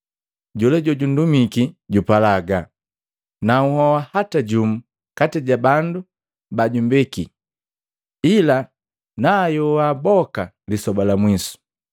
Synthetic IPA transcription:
ɟɔlɛɟɔɟun̩dumikiɟupalaɡa | nauhɔwahataɟum̩ | katɛɟabandu | baɟumbiki | ila | najɔwabɔka | lisɔbalamwisu̥

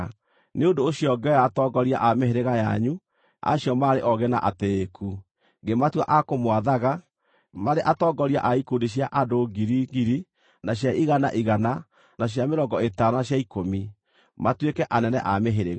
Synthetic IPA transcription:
neondoːɕiɔɡɛɔjaːtɔɡɔɾia̰ʔameheɾeɣaja̰ɲu | a̰ɕjɔmaːɾeʔɔɣɛna̰ʔateːkʰu | ɡematwa̰ʔakomwaðaɣa | maɾeʔatɔɡɔɾia̰ʔaikundiɕjaʔadoɡiɾiɣiɾi | naɕjaʔiɣana̰ʔiɣana | naɕ̬jameɾɔŋɡɔetanaɕjaikomi | matwekɛʔanɛnɛ̰ʔameɦeɾeɣa

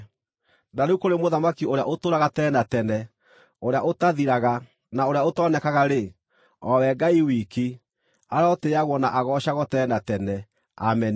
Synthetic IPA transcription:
naneukoɾemoðamakioɾeaʔotoːɾaɣatɛnatɛnɛ | oɾeaʔotaðiɾaɣa | naoɾejaotɔnɛkaɣaɾe | ɔwɛɡaiwiki | aɾaɔteaɣwɔnaʔaɣɔɕaɣɔtɛnatɛnɛ | a̰mɛn

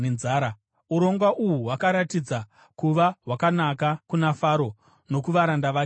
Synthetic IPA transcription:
enzaːɾa | uɾo̞ŋɡwaʔuɦuɦwakaɾatid͡za | kuʋaɦwakanakakunafaɾo̞ | no̞kuʋaɾandaʋa

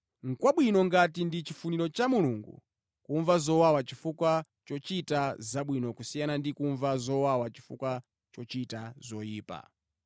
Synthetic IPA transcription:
ŋ̩kwaɓwinɔŋɡatindit͡ʃifuniɾɔt͡ʃamuluŋɡṵ | kuɱvazɔwawat͡ʃifukwa | t͡ʃɔt͡ʃitazaɓwinɔkusijanandikuɱvazɔwawat͡ʃi̥fṵkwa | t͡ʃɔt͡ʃitazɔjiːpa̰

